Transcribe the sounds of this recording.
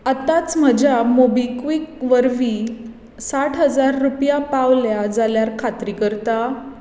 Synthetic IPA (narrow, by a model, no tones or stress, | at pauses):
at̪at͡sm̤əd͡ʑamobikʋikʋəɾʋi | saʈʰɦəd͡zaɾːupjapaʋljad͡zaljaɾkʰat̪ɾikəɾt̪a